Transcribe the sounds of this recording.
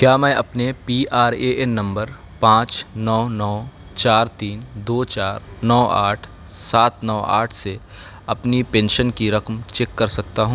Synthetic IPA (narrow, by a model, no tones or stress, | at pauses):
kjaːmɛ̃ːʔɐpnepiːʔaːɾeʔenːɐ̃mbəɾ | pãːt͡ʃnɔːnɔː | t͡ʃaːɾt̪iːnd̪oːt͡ʃaːɾnɔːaːʈʰ | saːt̪nɔːa̰ːʈʰse | ɐpnipẽːnʃənkiɾɐkmt͡ʃɛːkːɐɾsɐk̚t̪aɦũː